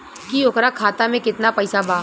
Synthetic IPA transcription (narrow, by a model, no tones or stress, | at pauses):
kiʊkɾakʰaːt̪amẽkɪt̪napɛɪsabaː